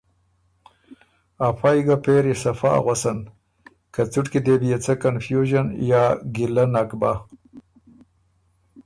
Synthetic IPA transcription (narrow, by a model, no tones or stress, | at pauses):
afajɡapeɾisafa̰ɣwasan | kat͡suʈkid̪ebijat͡sakanfjuʒanjaːɡilanakba